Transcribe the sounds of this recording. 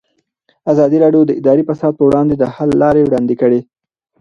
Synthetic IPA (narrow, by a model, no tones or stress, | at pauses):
azɑd̪iɾɑɖjod̪əɪd̪ɑɾifasɑd̪̚pəwɽɑnd̪ed̪əhalːɑɾewɽɑnd̪ikəɽe